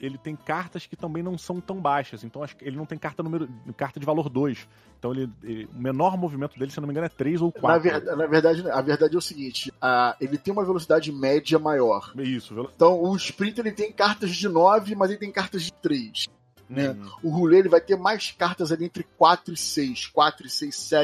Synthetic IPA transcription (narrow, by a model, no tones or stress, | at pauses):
elɪt̪ẽj̃kaɾt̪ɐskɪ̥t̪ɐ̃mbẽj̃nɐ̃w̃sɐ̃w̃t̪ɐ̃w̃bajʃɐzẽnt̪ɐ̃w̃ɐʃelɪnɐ̃w̃t̪ẽj̃kaɾt̪ɐnũmeɾʊkaɾt̪ɐd͡ʒɪvaloɾd̪ojs | ẽt̪ɐ̃w̃elɪʊmenɔɾmovimẽnt̪ʊd̪elɪseownomĩɡɐñɛt̪ɾejzowkwanɐved̪anɐveɾd̪ad͡ʒɪnɐ̃ɐveɾd̪ad͡ʒɪɛʊsiɡĩt͡ʃɪaelɪt̪ẽj̃ũmɐvelosid̪ad͡ʒɪmɛd͡ʒɐmajɔɾisʊvel̃t̪ɐ̃w̃ʊɪspɾĩt̪elɪt̪ẽj̃kaɾt̪ɐzd͡ʒɪnɔvɪmɐzelɪt̪ẽj̃kaɾt̪ɐzd͡ʒɪt̪ɾejs | nɛʊhulelɪvajt̪eɾmajskaɾt̪ɐzaliẽnt̪ɾɪkwat̪ɾʊisejskwat̪ɾʊisejʃsɛ